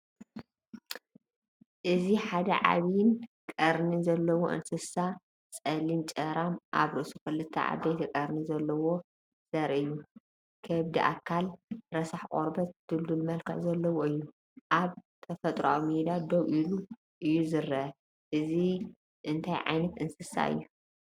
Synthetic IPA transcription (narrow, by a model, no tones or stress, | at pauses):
ʔɨziħad̪ɐʕa̰βnkʼɐɾnizɐlːɐwoʔɨ̰nsɨsa | sʼɐlint͡ʃʼɐɾamʔa̰βɾɨsukɨlɨt̪ʰːɐ̰ʕa̰d̪ɐjt̪ʰɐkʼɐɾnizɐlːɐwo | z̥ɐɾʔɨjːu | kʰɐβd̪iʔa̰kʰːalɾɐsaħkʼo̰ɾbɐt̪d̪ɨllulmɐlkʰɐ̰zɐlːɐwoɨjːu | ʔaβt̪ʰɐfɐt̪ʼɾa̰wimed̪ad̪owʔilu | ʔɨjːuzɨɾːɐʔɐ | ʔɨzi | ʔɨnt̪ʰajʕa̰jnɐt̪ɨnsɨsa̰ɨ̰jːu